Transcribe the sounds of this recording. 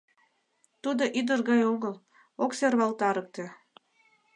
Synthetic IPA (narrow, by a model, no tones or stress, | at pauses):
t̪ud̪oʔid̪ərɣɑjoɣəl | okserβɑlt̪ɑɾɤk̚t̪ĕ